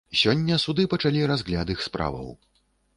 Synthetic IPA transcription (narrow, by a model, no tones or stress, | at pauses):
sʲɔnʲːɐsud̪ɨpɐt͡ʂalʲiɾazɣlʲad̪ɨxspɾa̰vɐ̰w